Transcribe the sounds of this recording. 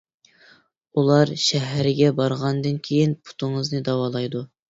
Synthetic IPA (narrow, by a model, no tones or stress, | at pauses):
ulˠɑɾʃɛɦɾɪɡʲɛbɑɾʁɑnd̪ɨnkʲʰejinpʰu̥t̪ʰʊŋɨznɨd̪ɑwɑːlˠɑjd̪u